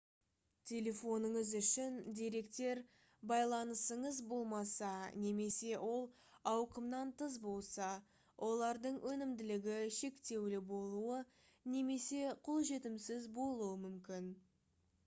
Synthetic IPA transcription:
t̪ʲʰe̞lʲe̞fo̞nəɴəzʏʃɪnd̪ʲeɾe̞kt̪e̞ɾ | bɑjlˠɑnəsəɴəzbo̞lˠmɑsɑne̞me̞se̞wo̞lˠ | ɑwqəmnɑnt̪ʰəzbo̞lˠsɑ | wʔo̞lˠɑɾd̪əɴwʔɵnɪmd̪ɪlɪɡʲɪʃe̞kt̪e̞wlɪbo̞lˠuə | ne̞me̞se̞qʰolˠʒe̞t̪ɪmsɪzbo̞lˠuəmʏmkʲɪn

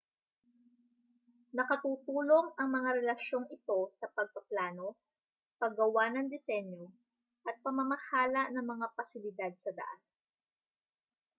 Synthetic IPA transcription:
nɐkɐt̪uːt̪uːlo̞ŋʔɐŋmɐŋaɾɛlɐʃo̞ŋɪt̪o̞sɐpɐɡ̚pɐplaːno̞ | pɐɡɐwanɐŋd̪ɛsɛɲjo | ʔɐt̪̚pɐmɐmɐhaːlɐnɐŋmɐŋapɐsɪlɪd̪ad̪̚sɐd̪ɐ̰ʔan

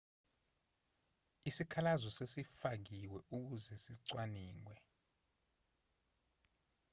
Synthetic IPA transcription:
isikʰalazɔsesifak̬iwɛʔuk̬uzɛsiǀwaniːŋwɛ

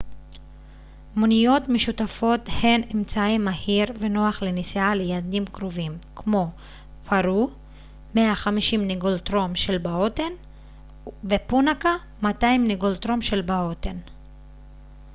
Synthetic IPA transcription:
munijo̞tmeʃutafo̞the̞nemt͡saimːahiʁve̞no̞aχlenisialejad̪imkʁovimkmo̞ | pʰaɾu | meaχamiʃimniɡolt̪ʁo̞mʃelbaoten | vepunaka | matajimniɡolt̪ɾomʃelbaoten

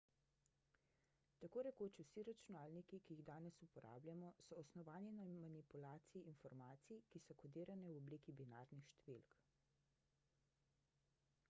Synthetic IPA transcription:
t̪akoːɾɛkoːt͡ʃusiɾat͡ʃunaːlnikikijiɣd̪aːnɛsupɔɾʔa̰ːblʲjamɔsɔːsnɔʋaːninamanipulaːt̪siiʔinfɔɾmaːt̪sikisɔkɔd̪iːɾanɛwɔbliːkibinaːɾnixʃt̪ɛʋilk

